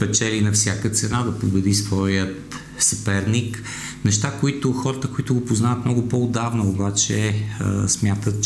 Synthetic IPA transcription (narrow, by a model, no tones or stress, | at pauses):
pɛt͡ʃɛlinɐfsʲjakət̪sɛnad̪ɐpobɛd̪isvɔjət̪ | sɐpɛɾnik | nɛʃt̪akʊit̪ʊxɔɾət̪əkʊit̪ʊɡopʊznavət̪mnɔɡʊpoʊd̪avnoʊbat͡ʃɛə̰smʲjat̪ət̪t͡ʃ